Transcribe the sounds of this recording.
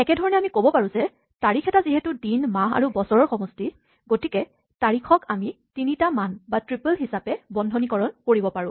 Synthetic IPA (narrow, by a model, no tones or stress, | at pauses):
ɛkɛdʱɔɹɔnɛamikobɔpaɹũzɛ | taɹikʰɛtaziɦɛtudinmaɦa̰ɹubɔsɔɹɔɹxɔmɔsti | ɡotikɛ | taɹikʰɔkamitinitamanbatɹipəlɦisapɛbɔndʱɔnikɔɹɔnkoɹibɔpaɹʊ̃